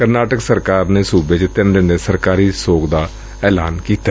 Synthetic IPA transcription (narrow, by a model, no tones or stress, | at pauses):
kəɾnaːʈəksəɾkaːɾneːsuːbeːt͡ʃt̪ɪnɾɪneːsəɾkaːɾiːsoːkd̪aː | ɛːlaːnkiːt̪a